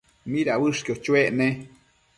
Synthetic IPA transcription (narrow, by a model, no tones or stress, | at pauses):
miɾawɨʂkiot͡ʃweʔne